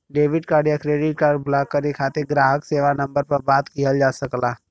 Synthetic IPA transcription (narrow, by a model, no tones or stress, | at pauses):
ɖeːʋɪɖkaːɖjakɾeːɖɪʈ̚kaːɾɖblaːkːəɾekʰaːt̪eɡɾaːɦəkseːʋanɐ̃mbəɾpɐɾbaːt̪kiɦəld͡ʒaːsɐklaː